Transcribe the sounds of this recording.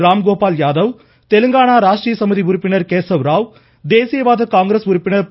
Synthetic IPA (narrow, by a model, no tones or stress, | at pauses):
ɾaːmɡoːpaːljaːðɐʋ | t̪ɛlɯŋɡaːɳaːɾaːʂʈɾijɐsɐmɯðiʊɾʊpːɪnɐɾkeːsɐʋɾaːʋ | d̪eːsɪjɐʋaːðɐkaːŋɡɾeːsʊɾʊpːɪnɐɾ